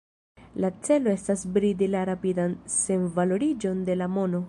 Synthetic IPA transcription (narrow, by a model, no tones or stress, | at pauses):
lat͡se̞lo̞e̞stasbɾidilaɾapidanse̞nvalo̞ɾid͡ʒo̞nde̞lamo̞no̞